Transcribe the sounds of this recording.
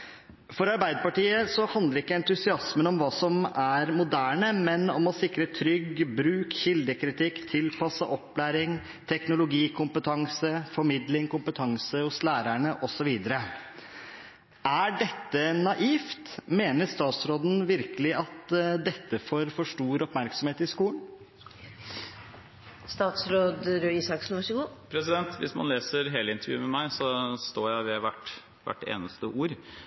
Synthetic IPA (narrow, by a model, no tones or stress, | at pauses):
fɔɾɑɾbæɪd̪əpɑʈiːəsɔhɑnd̪əɾɪkːəɛnt̪ʉsɪɑsmənɔmʋɑːsɔmæɾmʊd̪æːɳəmɛnɔmɔsɪkɾət̪ʰɾʏɡbɾʉːkçɪld̪əkʰɾɪt̪ʰɪkːt̪ʰɪlpʰɑsəʔɔpːlæːɾɪŋ | t̪ʰɛknʊlʊɡiːkʰʊmpət̪ʰɑŋsəfɔɾmɪd̪lɪŋkʊmpət̪ʰɑŋsəhʊslæːɾæɳəʔɔsɔʋiːd̪əɾə | ʔæɖɛt̪ːənɑʔiːft̪meːnəʂt̪ɑːt̪sɾoːd̪n̩ʋɪɾkəlɪɑt̪d̪ɛt̪ːəfoːɾfɔʂʈuːɾɔpmæɾksɔmheːt̪ɪskuːln | st̪ɑːt̪sɾoːd̪ɾøiːsɑksn̩ʋɑʂəɡuːpʰɾɛsɪd̪ɛnt̪ʋɪ̰smɑ̰nleːsəɾɦeːləɪnt̪əɾjʉ̰ːmɛmæɪsɔst̪oːɾjæɪʋɛʋæʈ | ʋæ̰ʈːḛːnəst̪əʔuːɾ